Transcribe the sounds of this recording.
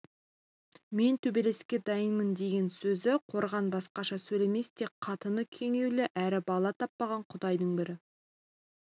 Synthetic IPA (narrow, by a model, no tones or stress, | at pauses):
me̞nt̪ʰɵbe̞le̞skʲe̞d̪ɑjənmənd̪e̞ɡʲe̞nsɵzɪqʰo̞ɾʁɑnbɑsqɑʃɑsɵjle̞me̞st̪ekqʰɑt̪ənəkʲʰe̞ŋe̞wleʔæɾɪbɑlˠɑt̪ʰɑpːɑʁɑɴqʰʊd̪ɑjd̪əɴbɪɾɪ